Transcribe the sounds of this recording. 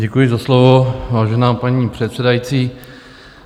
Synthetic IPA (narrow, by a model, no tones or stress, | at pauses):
ɟɛkujɪzaslovovaːʒɛnaːpaɲiːpr̝̥ɛt̪sɛdajit͡siː